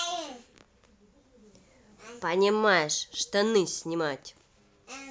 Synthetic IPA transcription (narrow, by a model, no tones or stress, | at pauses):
pɐnʲɪmajɪʂʂt̪onɨsʲnʲɪmatʲ